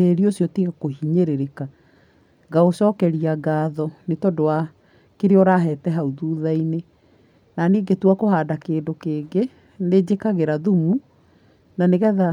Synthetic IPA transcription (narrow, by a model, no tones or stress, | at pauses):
eɾiosjɔtiɣakohiɲeɾeɾeka | ɡaosɔːkɛɾiaɡaːðɔnetɔdowa | keɾeɔɾaɦɛːtɛɦauðuːðaine | naniːɡetwakohaːdakeːndokeːɡe | ned͡ʑekaɣeɾaðumu | naneɣɛða